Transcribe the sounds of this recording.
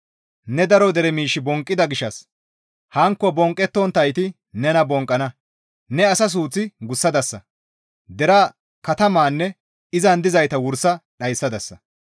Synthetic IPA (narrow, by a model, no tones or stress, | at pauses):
nɛd̪ɐɾɔd̪ɛɾɛmiːʃːɪbɔŋkʼːɪd̪ɐɡɪʃɐs | hɐŋkːɔbɔŋkʼːɛt̪ːɔnt̪ɐjt̪ɪ | nɛnɐbɔŋkʼːɐnɐ | nɛɐsɐs̬uːt͡sːɪɡʊsːɐd̪ɐsːɐ̰ | d̪ɛɾɐ | kɐt̪ɐmaːnːɛ | ɪzɐnd̪ɪzɐjt̪ɐwʊɾsɐɗɐjsːɐd̪ɐsːɐ